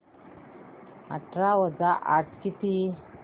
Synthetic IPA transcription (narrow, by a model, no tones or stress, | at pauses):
a̰ʈɾawəd͡zaʔaʈkit̪i